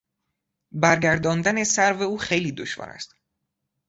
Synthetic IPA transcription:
bæɾɡæɾd̪ɒːnd̪æne̞sæɾve̞uːxe̞jliːd̪oʃvɒ̰ːnʔæ̰st̪

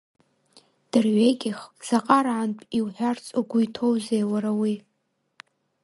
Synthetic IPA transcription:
d̥ɨrɥʷeɡʲiχz̥aqʼaɾaːnpʼiwħʷᶣart͡sʷʼaɡʷʊjtʰo̞wzejwaɾawi

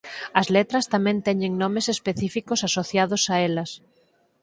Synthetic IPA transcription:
ɐzlet̪ɾɐst̪amɛ̃nt̪ɛɲeŋnɔmesespeθifikosasoθjaðʊsaɛlɐs

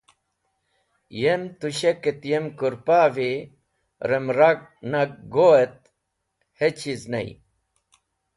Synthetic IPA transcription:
jemt̪uɕeket̪jemkuɾpaːvi | ɾemɾaɡ̚nɐk̚ɡoet̪̚ | het͡ɕʰiznɐ̰j̰

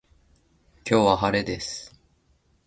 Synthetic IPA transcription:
kʲo̞ːβaɦaɾe̞d̪e̞sɨ̥

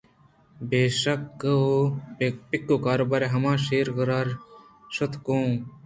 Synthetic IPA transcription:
beːʃɐkː | epɪkːokaːɾbaɾeɦɐmãːʃeːɾɡəɾaːɾ | ʃɐt̪ʰkõː

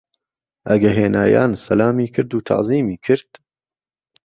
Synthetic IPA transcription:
ʔɐɡɐɦeːnaːja̰ːnsɐlaːmiːkʰɨɾd̪uːt̪ʰɑ̰ʔziːmiːkʰɨɾd̪̥

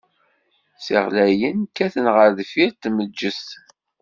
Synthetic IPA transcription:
sɪ̰ʁlæjənkːæθənʁəɾðfiɾt̪ːməd͡ʒːəst̪

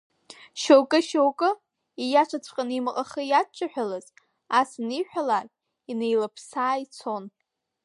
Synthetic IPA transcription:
ʃowkʼɨʃowkʼɨ | ijaʂʷʰat͡sʷʰqʼanimɨqʼaχəjat͡ʃʼaħʷᶣalaz | asniħʷᶣalar | ine̞jlapʰsaːit͡sʰo̞n

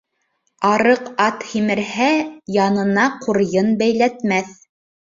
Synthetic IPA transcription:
ɑɾɤqɑt̪himɘ̆ɾhæjɑnɤ̆nɑquɾjɤnbæjlæt̪mæθ

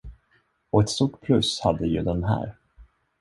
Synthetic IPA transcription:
ɔɛt̪st̪uːʈpʰlɵshad̪ːəjɵ̰d̪ɛnɦæ̰ːɾ

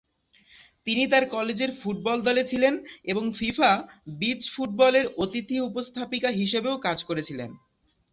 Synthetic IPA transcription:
t̪init̪aɾkɔled͡ʑeɾfuʈ̚bɔld̪ɔlet͡ɕʰileneboŋfifabit͡ɕfuʈ̚bɔleɾot̪it̪ʰiupost̪ʰapikaɦiʃebeokad͡ʑkoɾet͡ɕʰilḛn

